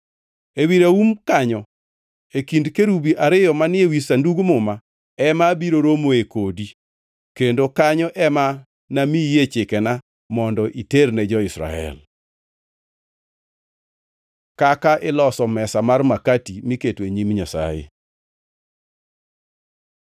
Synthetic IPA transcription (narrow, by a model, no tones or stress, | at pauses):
ewiɾaumkaɲɔ | ekindkeɾubiʔaɾɪjɔmanɪewisanduɡmʊma | ɛmabiɾoɾomoekodi | kendokaɲɔʔɛma | namijet͡ʃɪkɛna | mɔndɔʔiternɛd͡ʒɔɪsɾa̰ɛ̰l | kakaʔɪlɔsɔmɛsamarmakatimiketweɲimɲasa̰jḛ